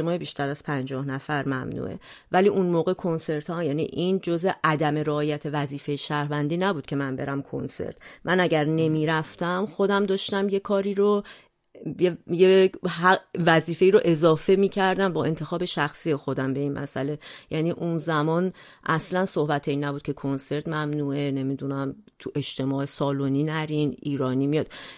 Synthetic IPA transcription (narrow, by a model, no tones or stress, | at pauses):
emɒːebiːʃt̪ʰæɾæz̥pʰænd͡ʒɒːhnæfæɾmæ̰mnṵʔḛvæliːʔunmoːɣe̞kʰo̞nse̞ɾt̪ʰɒjæːnḭʔind͡ʒozeʔæd̪æme̞ɾeːjæt̪ʰe̞væziːfe̞jeʃæɾhvænd̪iːnæbuːd̪̥̚cʰe̞mænbe̞ɾæmkʰo̰nse̞̰ɾt̪ʰmʔænæɟæɾne̞miːɾæft̪æmxo̞d̪æmd̪ɒːʃt̪æmje̞kʰɒːɾiːɾo | eje | væziːfe̞iːɾoʔe̞zɒːfe̞miːcʰæɾd̪æmbɒːe̞nt̪ʰe̞xɒːbe̞ʃæxsiːje̞xo̞d̪æmbe̞iːnmæ̰sæle̞jæːniːʔunzæmɒn | ʔæslænsohbæt̪ʰeinæbud̪̚cʰe̞kʰo̞nse̞ɾt̪ʰmæmnuːe̞ne̞mid̪unæmt̪ʰuʔe̞ʃt̪ʰe̞mɒːesɒːloniːnæɾinʔiːɾɒːniːmijɒːd̪̥